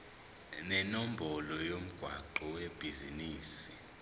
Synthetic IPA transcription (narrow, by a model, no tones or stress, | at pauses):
nɛnom̩bʱɔlɔjom̩ɡ̥ʱwaǃɔweb̥ʱiziniːsi̥